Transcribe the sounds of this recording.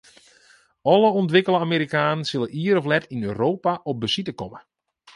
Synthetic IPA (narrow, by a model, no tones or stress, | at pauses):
ɔlˠəɔntʋɪkəlˠəameːɾikaːnənsɪləʔiːəɾɔflɛtʰinøːɾoːpaʔɔp̚bəsitəkɔmə